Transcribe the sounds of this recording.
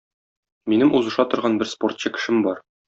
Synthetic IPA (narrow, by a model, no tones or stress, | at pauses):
minɘmʔuzɤ̆ʃɑt̪ŏɾʁɑnbɘɾsport̪̚ɕɤkɘ̥̆ʃɘmbɒɾ